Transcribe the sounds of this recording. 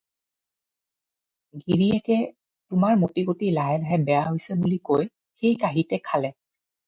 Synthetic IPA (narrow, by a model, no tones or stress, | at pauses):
ɡiɹiɛkɛ | tʊmaɹmotiɡotilaɦɛlaɦɛbɛjaɦojsɛbulikoj | xejkaɦitɛkʰalɛ